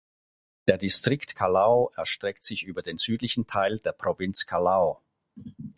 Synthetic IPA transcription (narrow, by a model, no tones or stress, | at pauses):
d̥eːɐdistʁ̥ɪktkʰalaʊʔɛɐʃtʁ̥ɛktz̥ɪçʔyːbɐdeːnz̥yːtlɪçn̩tʰaɪldeːɐpʁ̥ovɪnt͡skʰalaʊ